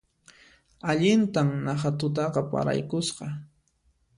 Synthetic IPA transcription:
aʎɪnt̪amnaχat̪ʊt̪̬ɑqɑpa̰ɾa̰jkʊsqɑ

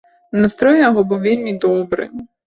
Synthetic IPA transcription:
nɐst̪ɾɔjɐɦɔbɔʋʲilʲmʲid̪ɔbɾɪ̰

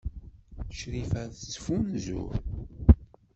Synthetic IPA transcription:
ʃɾifæθt͡sːfunzṵɾ

